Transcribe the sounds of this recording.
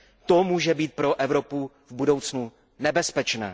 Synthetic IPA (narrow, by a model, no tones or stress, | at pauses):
t̪omuːʒɛbiːt̪̚pɾoʔɛvɾo̞pu | vbudo̞wt͡snu | nɛbɛspɛt͡ʃnɛ̰ː